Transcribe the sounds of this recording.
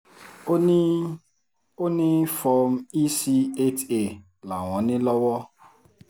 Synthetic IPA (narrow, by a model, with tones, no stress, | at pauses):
o˦nɪ˦fɔ˧m̩˦i˦si˦e˦te˨ | la˨w̃ɔ̃˨˦nɪ̃˦lɔ˦wɔ˦